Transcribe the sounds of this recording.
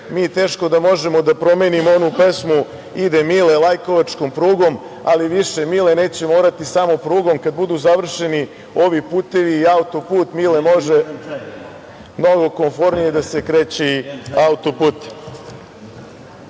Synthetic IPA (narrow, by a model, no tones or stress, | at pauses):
miːt̪e̞ːʃko̞d̪amo̞ʒe̞mo̞d̪apɾo̞me̞ːnimoonupe̞smu | id̪emilelˠajko̞ʋat͡ʃkompɾuːɡo̞m | aliʋiʃe̞mile̞ne̞ːt͡ɕe̞moːɾat̪isamopɾuːɡo̞mkad̪̚bud̪uzaʋr̩ʃe̞ni | o̞ʋipuːt̪e̞ʋiːaut̪o̞puːt̪milemo̞ʒe | mno̞ɡo̞ko̞ɱfo̞ɾnijed̪ase̞kɾe̞ːt͡ɕeiaut̪opuːt̪